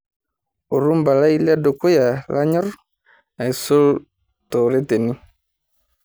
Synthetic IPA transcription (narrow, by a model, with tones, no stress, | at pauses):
o˨ɾu˦mba˨la˦i˦la˦do˨ko˦ja˨la˦ɲɔ˦ɾ | a˨i˨so˦l | tɔ˨ɾe˦te˨ni˦